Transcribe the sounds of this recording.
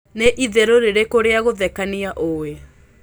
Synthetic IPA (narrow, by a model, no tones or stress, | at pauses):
neʔiðɛɾoɾeɾekoɾeaɣoðɛkaniaʔowe